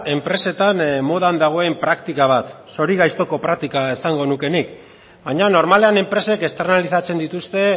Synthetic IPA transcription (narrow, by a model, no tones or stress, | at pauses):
e̞mpɾe̞se̞t̪anmo̞ð̞and̪aɣ̞o̞e̞mpɾakt̪ikaβ̞at̪so̞ɾiɣajst̪o̞ko̞pɾak̚t̪ikaesaŋɡo̞nuke̞nik | baɲano̞ɾmale̞ane̞mpɾe̞se̞ke̞st̪e̞ɾnalisat͡se̞nd̪it̪ust̪e̞